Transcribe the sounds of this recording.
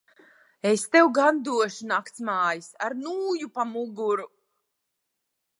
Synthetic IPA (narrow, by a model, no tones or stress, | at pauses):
est̪ewɡand̪uɔʃunakt̪smaːjisaɾnuːjupamuɡuɾu